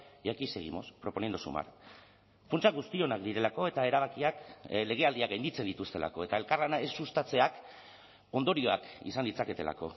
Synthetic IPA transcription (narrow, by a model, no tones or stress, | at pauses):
ʝakise̞ɣḭmo̞̰spɾo̞po̞niend̪usṵma̰ɾ | funt͡ʃaɣust̪io̞nakd̪iɾe̞lako̞e̞t̪ae̞ɾaβ̞akiakle̞ɣ̞e̞ald̪iaɡajnd̪it͡sed̪it̪ust̪e̞lʔa̰ko̞e̞t̪ae̞lkarlanaesust̪at͡se̞ak | o̞nd̪o̞ɾio̞a̰kḭsanlit͡sake̞t̪e̞la̰ko̞